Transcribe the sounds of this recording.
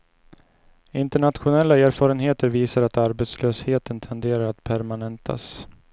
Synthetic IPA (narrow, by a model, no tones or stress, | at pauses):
ɪnt̪əɳat̪ɧʊnɛlːaeːɾfɑːɾənɦeːt̪əɾviːsaɾat̪aɾbet̪sløːsheːt̪ənt̪ʰɛnd̪eːɾaɾat̪pʰæɾmanɛnt̪ʰa̰s